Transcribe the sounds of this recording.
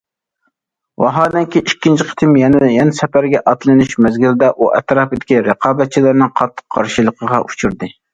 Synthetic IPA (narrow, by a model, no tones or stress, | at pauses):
wɑ̰ɦɑːd̪ɛŋkʲiʔikʲːint͡ʃʰiqʰə̥t̪ʰɨmjɛnɛjɛnɛsɛpæɾɡʲɛʔɑt̪lˠɨnuʃmɛzɡʲild̪ɛʔuʔɛ̰t̪ɾɑːpɨd̪ɪkʲiɾɨqɑːbɛt̪̚t͡ʃʰilæɾnɨŋqʰɑt̪ʰːə̥qʰːɑ̰ɾʃilˠəqʰəʁɑʔut͡ʃʰuɾd̪ɨ